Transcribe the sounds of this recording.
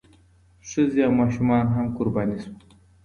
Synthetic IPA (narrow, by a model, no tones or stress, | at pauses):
ʂɨzjaːmaːʃumɑːnɦɐmkʊɾbaːnisu